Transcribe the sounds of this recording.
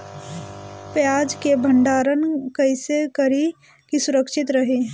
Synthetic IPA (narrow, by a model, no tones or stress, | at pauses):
pjaːd͡ʒkebʱə̃ɳɖaːɾənkɐɪsekɐɾi | kisʊɾəkʃɪt̪ɾɐɦi